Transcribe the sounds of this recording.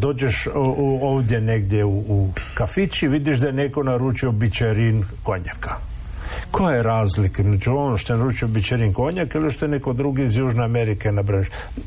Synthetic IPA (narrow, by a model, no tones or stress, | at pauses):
d̪o̞ːd͡ʒeʃoːʋd̪ʲjeneɡd̪jeuːkafit͡ʃiʋid̪iʃd̪ajeneko̞naɾut͡ʃio̞bit͡ʃeɾinkoɲakḁ | kʰojajeɾaːzlikamed͡ʒuonoʃt̪oenaɾuːt͡ʃiobit͡ʃeɾinko̞ɲakiliʃt̪oenekod̪ɾuɡiːzjuːʒneameɾikenabɾaniʃ